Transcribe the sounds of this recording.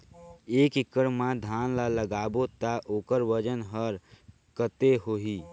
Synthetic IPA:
eːkikːəɾmãd̪ʱanlaləɡaːbot̪aʔoːkəɾʋəd͡ʒənɦəɾ | kət̪eɦoɦi

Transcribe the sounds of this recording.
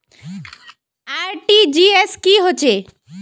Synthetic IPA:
aɾʈid͡ʑieskiɦot͡ɕʰe

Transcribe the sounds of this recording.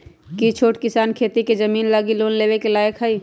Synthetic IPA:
kit͡ʃʰoːʈkɪsaːnkʰeːt̪iked͡ʒɐmiːnlaːɡiloːnleːʋekelaːjəkɦəiː

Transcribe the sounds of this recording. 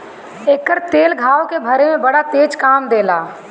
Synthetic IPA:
eːkːəɾt̪eːlɡʱaːokebʱɐɾemẽbɐɽat̪eːd͡ʒkaːmd̪eːlaː

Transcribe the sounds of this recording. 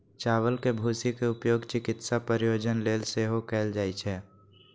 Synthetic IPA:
t͡ʃaːʋəlkebʱuːsikeʊpjoːɡt͡ʃɪkɪt̪sapəɾɪjoːd͡ʒənleːlseɦokɛːld͡ʒaːit͡ʃʰɛː

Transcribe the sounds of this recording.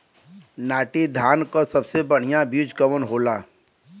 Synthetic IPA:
naːʈid̪ʱaːnkosɐbsebəɽ̤ijãbʊd͡ʒkəʋənɦoːlaː

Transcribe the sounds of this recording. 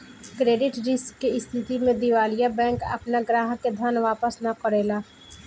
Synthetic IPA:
kɾeːɖɪʈɾɪskːeɪst̪ʰɪt̪imẽd̪ɪʋaːlijabɛ̃ːkɐ̰pnaɡɾaːɦked̪ʱənʋaːpəsnakɔɾeːlaː

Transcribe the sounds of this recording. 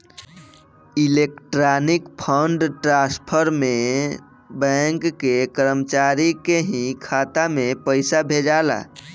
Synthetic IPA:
ilekʈɾanikpʰəɳɖʈɾaspʰəɾme | bɛ̃ŋkːekəɾəmət͡ʃaɾikeɦĩkʰat̪amepəɪsabʱed͡ʒala̰

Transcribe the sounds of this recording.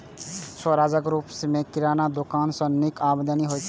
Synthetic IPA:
səɾad͡ʒəkɾupsmekiɾanad̪okaːnsə̃nikabd̪əniɦojt͡ʃʰ

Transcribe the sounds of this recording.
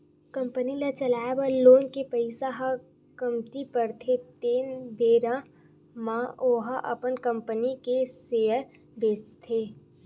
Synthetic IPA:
kɐ̃mpənilat͡ʃɐlaːjbaloːnkepɐɪsaɦa | kɐmt̪ipəɾt̪ʰet̪eːnbeːɾã | mãoːɦaʔɐ̰pənkə̃mpənikeseːjəɾ | beːt͡ʃt̪ʰeː

